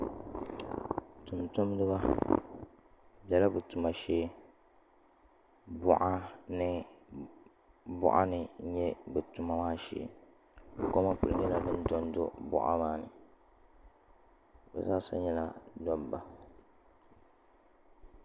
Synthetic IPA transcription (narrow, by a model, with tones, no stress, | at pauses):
tu˨mtʊ˦m˦dɨ˦ba˦ | bɛ˦la˦bɨ˨tu˨ma˨ʃeː˦ | bʊ̰˦ʔa˦nɨ˦ | bʊ̰˦˨ʔa̰˦nɨ˨˦ɲɛ˦bɛ˨tu˨ma˨˦maː˦ʃɛ̰˨ | ko˦ma˦k͡pu˨ɨ˦ŋɨ˦la˨dɨ˦ndɔ˦n˦do̰˦bʊ̰˦ʔa̰˦maː˦nɨ̰˨ | bɛ̰˨zaː˦sa̰˦ɲɛ˦la˦dɔ˦bba˨